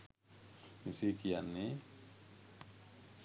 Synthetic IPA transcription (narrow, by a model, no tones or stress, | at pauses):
misikijanːi